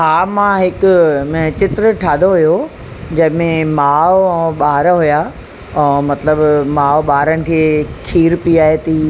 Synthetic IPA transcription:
ɦaːmãɦɪkʊt͡ɕɪt̪ɾəʈʰaːd̪oɦujo | d͡ʑɐ̃ɦɪ̃mẽmaːʋɓaːɦɾɦujaː | ɛ̃ːmɐt̪ləbmaːʋɓaːɾəñɪ̆kʰeːkʰiːɾpiaːɦet̪iː

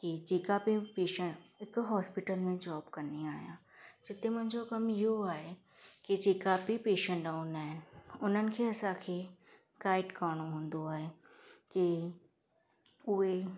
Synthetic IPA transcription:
kit͡ɕeːkapipeːʃə̃ɳɪkɦɔːspɪʈəlmẽd͡ʑɔːbkɐɾniaːijã̰ː | d͡ʑɪt̪emʊ̃ɦɪ̃ɲd͡ʑokɐmɪɦoaːɦe | kid͡ʑeːkapipeːʃə̃ɳʈɖaːʊnaːɦɪnʊn̤ənɪ̆kʰeːɐsãkʰe | kaːɪʈkaːɽ̃oɦũːn̆d̪oaːɦe | ki | ʊɦe

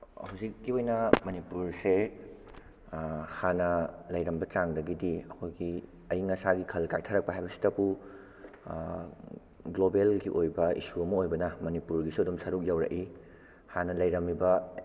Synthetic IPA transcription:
hɐwzikːiojnɐmɐnipuɾse | hanɐlɐjɾɐmbɐt͡ʃaŋdɐɡidiɐkʰojɡi | ɐjiŋɐsaɡikʰɐlkajtʰɐɾɐk̚pɐɦajbɐsi̥tɐbu | ɡlobelɡiʔojbɐḭsuɐmɐojbɐnɐmɐnipuɾɡisuɐdumsɐɾuk̚jawɾɐ̰ʔi | hanɐlɐjɾɐmːibɐ

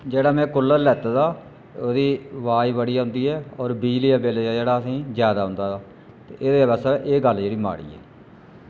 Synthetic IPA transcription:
d͡ʒeːɽaːmɛ̃ːkʊlːəlɛːt̪ad̪aː | oːd̪iːʋaːiːʋəɽiːaːɦʊ̃ːnd̪iːɛːɔːɾbiːd͡ʒlijaːbeːleaːd͡ʒeːɽaːəsĩːzjaːd̪aːɦʊ̃nd̪aːd̪aː | t̪eːʔeːd̪eːbɛːsaʔeːɡəld͡ʒeːɽiːma̰ːɽḭːɛ̰ː

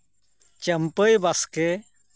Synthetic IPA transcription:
t͡ʃəmpəjbaske

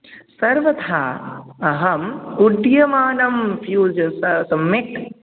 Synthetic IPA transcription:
sɐɾʋɐt̪ʰaːɐɦɐmuɖjɐmaːnɐmfjuːd͡ʒɐsɐsɐmːek

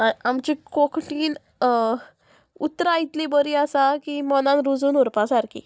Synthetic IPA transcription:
aamt͡ɕikokʈiːn | ut̪ːɾait̪lebəɾiːasakimɔnãnɾud͡zuːnuɾpasaɾkḭ

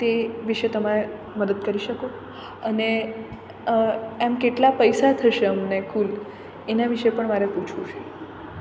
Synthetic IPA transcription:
t̪eʋiʃet̪əmaɾe | məd̪əd̪̚kəɾiʃəko | əne | emkeʈlapəjsat̪ʰəʃeəmnekʰul | enaʋiʃepəɳmaɾeput͡ʃʰũt͡ʃʰe

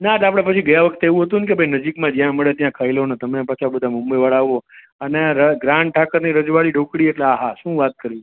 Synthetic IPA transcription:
nat̪apɽ̃epət͡ʃʰiɡəjãʋəkʰt̪eeʋũɦət̪unkebʱəinəd͡ʒikmãd͡ʒjãməɭet̪jãkʰailɦonet̪əmepat͡ʃʰabəd̪ʱamʊ̃mbəjʋaɭaːʋo | əneɾəɡɾãɳʈʰakəɾniɾəd͡ʒʋaɭiɖʱokɽieʈleaɦaʃũːʋat̪̚kəɾʋĩ

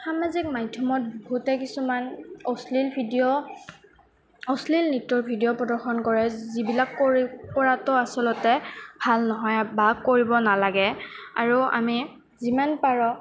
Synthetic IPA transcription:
samazik̚madʱjɔmɔt̚bɡutɛkisumanɔslilbʱidijɔ | ɔslilnitːɔɹbʱidijɔpɹɔdɔɹxɔnkɔɹɛzibilakːoɹipɔɹatɔasɔlɔtɛbʱalnɔɦɔjbakːoɹibɔnalaɡɛa̰ɹua̰mi | zimanpaɹɔ

